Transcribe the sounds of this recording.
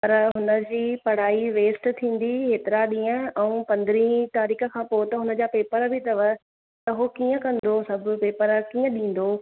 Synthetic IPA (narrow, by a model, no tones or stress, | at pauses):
pɐɾɦʊnə̆d͡ʑiːpɐɽ̤aːiʋeːsʈt̪ʰĩːn̆d̪iɦeːt̪ɪɾaɗĩːə̃ɛ̃ũːpɐ̃nd̪ɪɾĩːt̪aːɾiːkʰə̆kʰãːpoːt̪ɐɦʊnə̆d͡ʑapeːpəɾbʱɪt̪ɐʋə | t̪ɐɦokiːə̃kɐ̃nd̪osɐb̆ʱpeːpəɾkĩːə̃ɗĩːn̆d̪oː